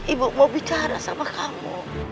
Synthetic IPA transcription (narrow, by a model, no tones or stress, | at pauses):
ɪbmobitʰaɾa̰sa̰bakʰamɔ̰